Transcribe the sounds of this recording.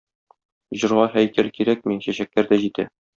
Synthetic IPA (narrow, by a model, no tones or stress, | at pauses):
ʑɤ̆ɾʁɑɦæjkælkiɾæk̚miɕæɕæk̚læɾd̪æʑit̪æ̰